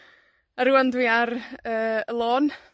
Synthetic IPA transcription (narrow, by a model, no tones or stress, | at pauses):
aɾuandwiarəːəlˠoːn